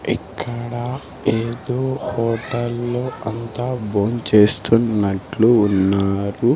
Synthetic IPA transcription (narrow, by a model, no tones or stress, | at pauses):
ikʰːɐɽɐ | eːd̪oːhɔːʈɐlːoːɐnt̪aːboːnt͡ʃe̞ːst̪unːɐʈluːnːaːɾu